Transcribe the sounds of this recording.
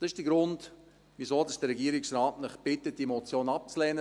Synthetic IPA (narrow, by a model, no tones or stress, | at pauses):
d̥ɑsɪʃd̥əɡɾʊnd | ʋisoːdɑsd̥əɾɛɡiːəɾɪksrɑːtnəχb̥ɪtət̚d̥imɔt͡sjoːnɑp̚t͡slɛːnə